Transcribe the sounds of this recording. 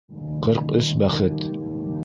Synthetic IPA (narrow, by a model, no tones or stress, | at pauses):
qɤɾqɵsbæχɘt̪